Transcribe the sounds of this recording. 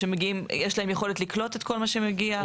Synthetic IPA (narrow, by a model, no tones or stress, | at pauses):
emeɡiimjeʃlahemjeχo̞let̪liklo̞te̞tkʰo̞lmaʃemeɡia